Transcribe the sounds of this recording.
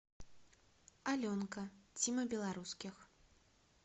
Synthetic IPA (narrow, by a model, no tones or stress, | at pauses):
alʲɔnkɐt͡sʲimɐbʲɛlˠaɾuskʲix